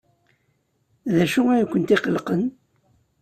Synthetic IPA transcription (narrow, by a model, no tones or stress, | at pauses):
ðæʃuæjukʷːənt̪iqəlqən